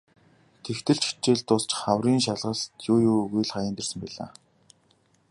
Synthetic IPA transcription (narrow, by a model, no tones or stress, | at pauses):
t̪ʰext̪ʰɘ̆ɮt͡ɕi̥t͡ɕeːɮt̪ʊst͡ɕχawriːnʃaɮʁə̆st̪jʊːjʊːɣujɮχajɪ̆ːnt̪ersə̆mpæɮa̰ː